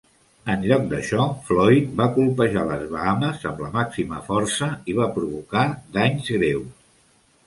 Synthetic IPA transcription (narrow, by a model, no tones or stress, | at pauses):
ənʎɔk̚d̪əʃɔflɔjt̪̚bakulˠpəʒaləzβəaməzəmləmaksimə̰fɔrsəiβ̞apɾuβukad̪aɲzɣɾews